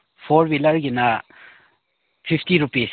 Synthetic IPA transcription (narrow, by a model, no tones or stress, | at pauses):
pʰoɾbilɐɾɡinɐ | pʰipʰtiɾupis